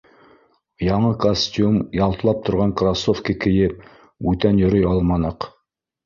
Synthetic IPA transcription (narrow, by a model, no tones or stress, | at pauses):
jɑɴɤkosʲtʲumjɑlˠt̪ɤ̆lˠɑp̚t̪ʰŏɾʁɑŋkrasofkəkɘ̆jɘp̚ | ʉt̪ænjɵ̆ɾɵjɑlˠmɑnɤq